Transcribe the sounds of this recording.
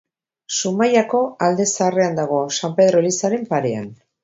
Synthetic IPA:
sumajako̞ald̪e̞saːre̞and̪aɣ̞o̞asampe̞ðɾo̞lisaɾe̞mpaɾe̞a̰n

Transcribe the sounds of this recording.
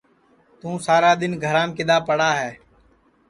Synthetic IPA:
t̪ũːsaːɾaːɗ̪ɪnɡʱəɾãːmkɪd̪aːpəɽaːɦɛː

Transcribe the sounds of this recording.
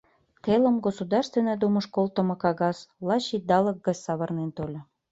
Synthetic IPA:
t̪elə̆mɡosud̪ɑrst̪venəd̪umə̆ʃkolt̪ə̆mɤ̆kɑɣɑslɑɕid̪ɑlə̆k̚ɡə̆t͡ssɑβɤ̆rnent̪olʲɤ̆

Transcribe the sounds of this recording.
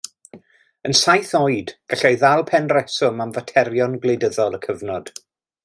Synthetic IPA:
ənsajθɔɨdɡ̥aɬɛjðalˠpʰɛnrɛsʊmamvatʰɛrjɔnɡlˠejdəðɔlˠəkʰəvnɔd̥

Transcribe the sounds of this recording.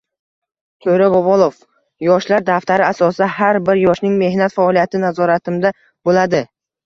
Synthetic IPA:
t̪ʰɵɾabɒbɒlˠof | jɒʃlaɾd̪aft̪aɾɪasɒsɪd̪aɦaɾbɪɾjɒʃnɪŋme̞hnat̪faɒlˠijat̪ʰɪnazɒɾat̪ʰɪmd̪a | bolad̪ɪ

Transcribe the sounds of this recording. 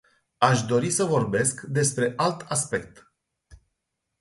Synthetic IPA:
aʃd̪o̞ɾisəvo̞rbe̞skd̪e̞spɾe̞ʔalt̪aspe̞k̚t̪

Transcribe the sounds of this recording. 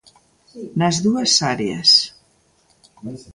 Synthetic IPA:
nəzðuəsaɾeə̰s

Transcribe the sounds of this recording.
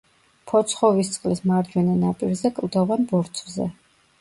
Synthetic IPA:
pʰɔt̪sʰχɔvist̪sʼqʼlismaɾd͡ʒwɛnɛnapʼiɾzɛkʼlˠd̪ɔvanbɔɾt̪sʰvzɛ̰

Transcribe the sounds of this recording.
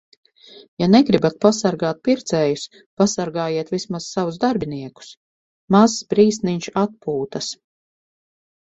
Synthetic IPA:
janɛɡɾibat̪̚pasaɾɡaːt̪̚piɾt̪sɛːjus | pasaɾɡaːjiɛt̪vismaz̥ːavuzd̪aɾbʲiniɛku̥s | masbɾiːsniɲt͡ʃat̪̚puːt̪ɐs

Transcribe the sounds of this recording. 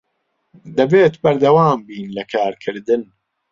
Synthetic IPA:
d̪ɐbeːt̪bɐɾd̪ɐwaːmbiːnlɐkʰaːɾkʰɨɾd̪ɨn

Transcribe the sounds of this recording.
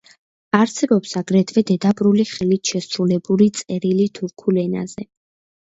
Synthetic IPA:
aɾsɛbɔpsaɡɾɛd̪vɛd̪ɛd̪abʼɾuliχɛlit̪ʰʃɛsɾulɛbulit̪sʼɛɾilit̪ʰuɾkʰulɛna̰z̥ɛ

